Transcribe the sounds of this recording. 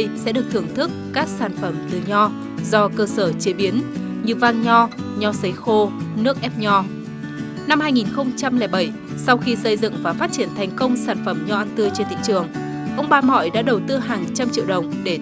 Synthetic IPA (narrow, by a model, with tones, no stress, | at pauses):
jsɛ̰˧˥ɗɨ˨˩ək̚t̪ʰɨ˨˩əŋt̪ʰɨ˦˥kːaː˦˥k̚saː˧˩nfə˧˩mt̪ɨ˨˩ɲɔ˧ | zɔ˧kəː˧səː˧˩t͡ɕi˨˦əɓi˨˦ənɲɨ˧vaː˧ŋɲɔ˧ɲɔ˧sə˨˦jxo˧nɨ˦˥ək̚ʔɛ˦˥p̚ɲɔ˧ | na˧mhaː˧jŋi˨˩nxə˧wŋ͡mt͡ɕa˧mlɛː˧˩jɓə˧˩j | sa˧wxi˧sə˧jzɨ̰˧˨ŋvaː˨˩faː˦˥t̚t͡ɕi˧˩ənt̪ʰɛ˨˩jŋ̟kə˧wŋ͡msaː˧˩nfə˧˩mɲɔ˧ʔa˧nt̪ɨ˧ət͡ɕe˧nt̪ḭ˧˨ŋt͡ɕɨ˨˩əŋ | ʔə˧wŋ͡mɓaː˧mɔ̰˧˨jɗa̰ː˧˥ɗə˨˩wt̪ɨ˧ɦaː˨˩ŋt͡ɕa˧mt͡ɕḭ˧əwɗə˨˩wŋ͡mɗe˧˩